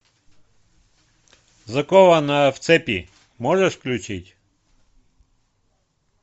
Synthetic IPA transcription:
zɐkovɐnaft̪sɛpʲi | mɔʐəʂfklʲʊt͡ɕitʲ

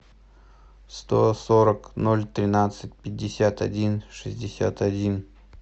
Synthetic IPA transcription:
st̪osoɾəknolʲt̪ɾʲɪnat̪sɨt̚ʲpʲɪdʲːɪsʲat̪ɐdʲinʂɨzʲdʲɪsʲa̰t̪ɐdʲin

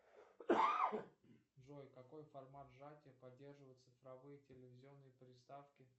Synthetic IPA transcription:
ʐojkɐko̞jfɐrmat̪ʐatʲɪəpɐdʲːe̞rʐɨvəjɪt̪sɨfɾɐvɨjətʲɪlʲɪvʲɪzʲɪo̞nːɨjəpɾʲɪst̪afkʲɪ

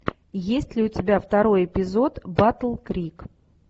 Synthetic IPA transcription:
jesʲtʲlʲɪʊtʲɪbʲaft̪ɐɾo̞jɪpʲɪzo̞t̪bat̪əlˠkɾʲik

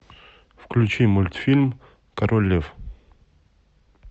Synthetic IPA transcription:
fklʲʉt͡ɕimʊlʲt̪fʲilʲm | kɐɾolʲːef

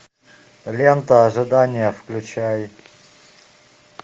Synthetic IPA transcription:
lʲent̪əːʐɨd̪anʲɪjəfklʲʉt͡ɕaj

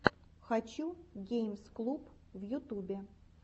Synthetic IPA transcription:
xɐt͡ɕuɡʲejmsklˠup | vjʊt̪ubʲɪ

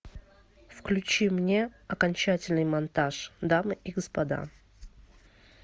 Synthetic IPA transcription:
fklʲʉt͡ɕimnʲeɐkɐnʲt͡ɕætʲɪlʲnɨjmɐnt̪aʂd̪amɨʔiɡəspɐd̪a̰

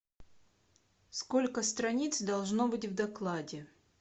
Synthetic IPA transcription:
skolʲkəst̪ɾɐnʲit̪sd̪ɐlˠʐnobɨtʲvd̪ɐklˠadʲɪ

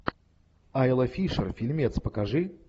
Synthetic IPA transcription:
ajlˠɐfʲiʂərfʲilʲmʲɛt̪spəkaʐɨ

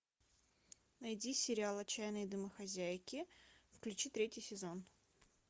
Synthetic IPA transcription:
nɐjdʲisʲɪɾʲɪalˠɐt͡ɕːæjnəjd̪ɨməxɐzʲæjkʲɪfklʲʉt͡ɕit̪ɾʲetʲjɪjsʲɪzo̞n

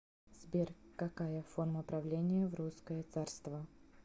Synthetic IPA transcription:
sʲbʲerkːɐkajəforməpɾɐvlʲenʲɪjəvruskəjət̪sarst̪və

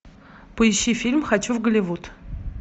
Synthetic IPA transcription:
pəɪɕːifʲilʲmxɐt͡ɕuvɡəlʲɪvut̪

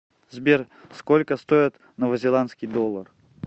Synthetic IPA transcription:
zbʲer | skolʲkəst̪ojɪt̪ | nəvəzʲɪlˠant̪skʲijd̪olˠːər

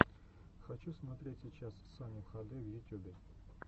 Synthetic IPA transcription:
xɐt͡ɕusmɐt̪ɾʲetʲsʲit͡ɕassamʲɪvxɐd̪ɨvjʊtʲubʲɪ

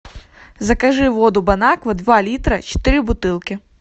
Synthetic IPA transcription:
zɐkɐʒɨʋɔd̪ʊbɐnakʋɐd̪ʋalʲit̪ɾɐt͡ʃɛ̥t̪ɪɾɨbʊt̪ɪlˠkʲɪ

